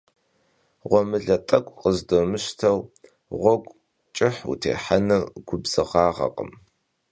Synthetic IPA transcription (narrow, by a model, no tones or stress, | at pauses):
ʁʷɔmɨɮɐtʼɐkʷʼqəzdomɨɕtʰɐw | ʁʷɔɡʷʼ | t͡ʃʼɪħṵtʰḛːħanɨɡʷʊbz̥ɨʁɑːʁɐ̰qʼə̰m